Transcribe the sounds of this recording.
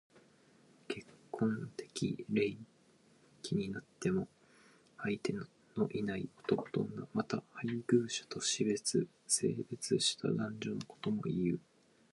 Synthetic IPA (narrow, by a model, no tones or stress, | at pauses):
kʰe̞kʰːõ̞nt̪e̞̥kʲḭɾe̞i | kʲiɲ̟inat̪ːe̞mo̞ | ait̪e̞n | no̞ʔinaio̞t̪o̞ko̥t̪onamat̪ahaiɡɯ̟ːɕḁt̪o̞ɕibe̞t͡sɨ | se̞̰ːbe̞t͡sɨɕi̥t̪a̰d̪ãɲ̟d͡ʑo̞noko̞̥t̪o̞mo̞̰ijɯ̟